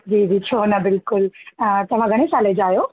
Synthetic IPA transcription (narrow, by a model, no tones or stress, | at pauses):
d͡ʑiːd͡ʑiːt͡ɕʰoːnɐbɪlkʊlt̪ɐʋ̤ãɡʱɐɽ̃esãled͡ʑaːjoː